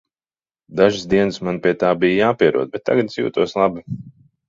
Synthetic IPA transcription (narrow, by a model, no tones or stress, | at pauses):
d̪aʒɪsd̪iɛnɨsmanpʲiɛt̪aːbijjaːpiɛɾṵɔd̪̚bɛt̪̚ːa̰ɡad̪sʲjṵːt̪uɔslˠabi